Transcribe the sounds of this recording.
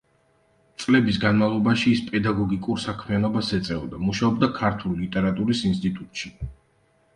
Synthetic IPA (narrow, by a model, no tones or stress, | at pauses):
t̪sʼlɛbisɡanmavlˠɔbaʃiːspʼɛd̪aɡɔɡikʼuɾsakʰmianɔbasɛt̪sʼɛɔd̪amuʃaɔbd̪akʰaɾt̪ʰulilit̪ʼɛɾat̪ʼuɾisinst̪ʼit̪ʼut̪ʼʃi